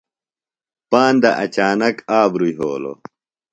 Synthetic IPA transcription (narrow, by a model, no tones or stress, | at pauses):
paːnd̪ɐʔɐt͡ɕaːnɐkaːbɾujɦoːlo̰